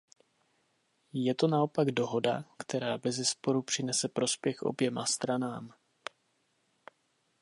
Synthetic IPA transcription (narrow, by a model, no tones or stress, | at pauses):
jɛt̪o̞nao̞paɡdo̞ɦo̞dakt̪ʰɛɾaːbɛzɛspo̞ɾupr̝̥ɪnɛsɛpɾo̞spjɛxʔo̞̰bjɛmast̪ɾanaːm